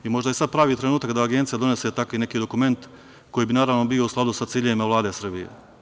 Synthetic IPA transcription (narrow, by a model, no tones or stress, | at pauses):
imo̞ʒd̪ajesad̪̚pɾaːʋiːt̪ɾenuːt̪akd̪aːɡe̞nt̪sijad̪o̞ne̞set̪akʋine̞kiːd̪o̞kume̞nt̪ | ko̞jiːbinaːɾaʋnobio̞usklˠad̪usatsiːʎeʋimaʋlˠaːd̪e̞sr̩bijḛ